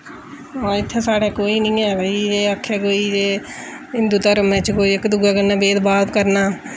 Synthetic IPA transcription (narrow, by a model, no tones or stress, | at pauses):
aːɪt̪ʰːeːsaːɽeːkoːiːnĩːɛːəiːd͡ʒeːəkʰːɛːkoːiːd͡ʒeː | ɦɪnd̪uːt̪əɾmɛ̃ːt͡ʃkoːiːɪkd̪uɡaːkənãːbeːd̪baːbkəɾnaː